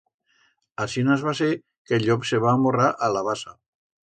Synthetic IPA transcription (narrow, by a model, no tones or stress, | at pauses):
asinazβase | keʎɔpseβaːmoraʔalaβasa